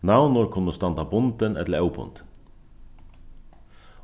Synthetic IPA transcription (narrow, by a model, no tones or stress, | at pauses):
naʊnʊɾkʰʊnəst̪ɑnd̪ɑbʊnd̪ənɛt̪ləɛʊbʰʊ̰nd̪ə̥n